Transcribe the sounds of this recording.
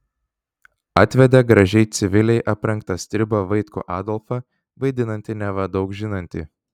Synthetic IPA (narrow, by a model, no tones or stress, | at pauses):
ɐt̪ʲʋʲɛd̪ʲɛɡɾɐʒʲɛɪt̪sʲɪʋʲɪlʲɛɪʔɐpʲɾʲɛŋkt̪ɐsʲt̪ʲɾʲɪbɐʋɐɪt̪kṵːʔɑːd̪ɔlˠfɑ | ʋɐɪd̪ʲɪnɐnʲt̪ʲɪnʲɛʋɐd̪ɒʊkʒʲɪnɐnʲt̪ʲɪ